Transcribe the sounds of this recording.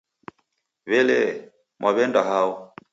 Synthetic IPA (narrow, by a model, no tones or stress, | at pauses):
βɛlɛ | mwʔaβɛndaɦaɔ